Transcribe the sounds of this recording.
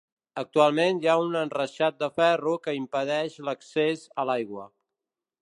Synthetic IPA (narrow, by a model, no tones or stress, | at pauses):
ək̚t̪ualˠmenjaunənrəʃat̪̚d̪əfɛrukəimpəðɛʃləksezəlajɣwə